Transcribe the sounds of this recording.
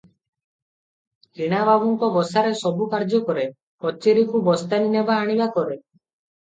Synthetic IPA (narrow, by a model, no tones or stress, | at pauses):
kiɽ̃ababuŋkɔbɔsaɾesɔbukaɾd͡ʒɔkɔɾe | kɔt͡ʃiɾikubɔst̪aninebaːɽ̃ibakɔɾe